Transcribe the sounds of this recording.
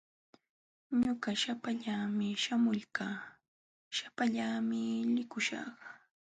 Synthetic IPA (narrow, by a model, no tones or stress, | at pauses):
ɲʊɢaʃapaʎaːmɪʃamʊʎkaː | ʃapaʎaːmɪlɪkʊʃɑ̰χ